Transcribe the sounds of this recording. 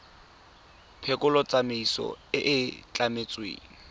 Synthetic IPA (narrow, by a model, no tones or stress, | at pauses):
pʰɛkʼʊlɔt͡sʼameisɔ̰ɪʔɪt͡ɬʼamet͡sʼwḛːŋi